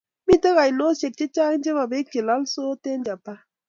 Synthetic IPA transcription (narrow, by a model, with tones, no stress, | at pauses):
mi˦tə˦ɣa˨jno˦se˨k̚t͡ʃe˦t͡ʃa˦kn˦d͡ʒe˦ba˨be˦ke˨la˨˦lso˦te˦nd͡ʒa˨pa˦